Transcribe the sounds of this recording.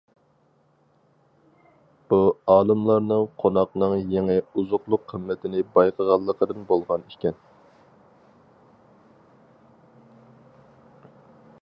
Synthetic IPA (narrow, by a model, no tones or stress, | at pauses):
b̥uɑːlˠɨmlˠɑɾnɨŋqʰonɑqnɨŋjeŋɪuzʊqlˠʊqʰːəmːɛt̪ʰɪnɪbɑjqʰəʁɑlˠːəqʰəd̪ɨnbolˠʁɑnikʲɛn